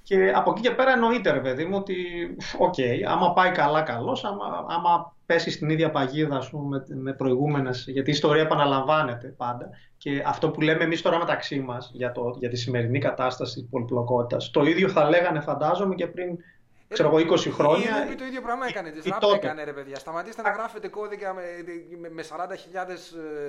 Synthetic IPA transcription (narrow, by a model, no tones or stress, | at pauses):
ce̞ɐpo̞cice̞pe̞ɾɐeno̞it̪e̞ɾe̞pe̞ðimuo̞t̪io̞ce̞iɐ̰mɐpɐikɐlɐkɐlo̞sɐmɐ̰ɐ̰mɐpe̞sist̪iniðʝɐpɐʝiðɐːspumememe̞pɾo̞iɣume̞nesʝɐt̪iːst̪o̞ɾiɐepɐnɐlɐɱvɐne̞t̪e̞pɐnd̪ɐ | ce̞ɐft̪o̞pule̞me̞ːmist̪o̞ɾɐme̞t̪ɐksimɐsʝɐt̪o̞ʝɐt̪isime̞ɾinikɐt̪ɐst̪ɐsi̥t̪ispo̞liplo̞ko̞t̪it̪ɐst̪o̞iðʝo̞θɐle̞ɣɐne̞fɐnd̪ɐzo̞me̞ce̞pɾin | kseɾo̞ɣo̞iko̞sixɾo̞ɲɐpit̪oiðjopɾɐɣmɐekɐnet̪izt̪o̞t̪eɐneɾepeðʝɐst̪ɐmɐt̪ise̥t̪eɐɣɾɐfet̪eko̞ðikɐ | mesɐɾɐnd̪ɐçiʎɐðes